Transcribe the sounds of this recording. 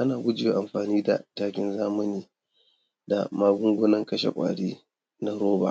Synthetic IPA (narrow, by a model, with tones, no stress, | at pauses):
ʔa˦naː˨ɡʷʊ˦d͡ʒɪ˨jeː˨ʔa˨mɸaː˨niː˦da̰˨taː˦kʲɪ˦nzaː˦mɐ˦niː˦ | da̰˨maː˦ɡʷʊ˦ŋɡʷʊ˦nɐ˦ŋkɐ˦ʃḛ˨kʷʼa̰ː˨ɽiː˦ | na˦ɾoː˦ba̰ː˨